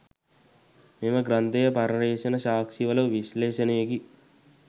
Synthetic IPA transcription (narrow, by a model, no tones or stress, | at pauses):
meːmɐɡɾɐnt̪ɐjɐpɐɾɐɾɛːʃɐnɐʃaːkʃiʋɐlɐʋiʃlɛːʃɐneːɡi